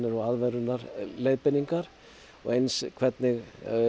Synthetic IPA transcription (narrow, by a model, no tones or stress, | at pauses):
nɪɾɔaðvɛɾʏnːaɾlejðpɪniŋkaɾ̥ | ɔ̰ɣejnskʰvɛt̪nɪɣ